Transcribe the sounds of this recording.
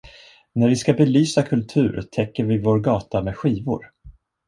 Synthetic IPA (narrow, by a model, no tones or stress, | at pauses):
næɾvɪskabɛlyːsakʰɵlt̪ʰʉ̟ːɾt̪ʰɛkːəɾvɪvoːɾɡɑːt̪amɛːɧiːvʊ̰ɾ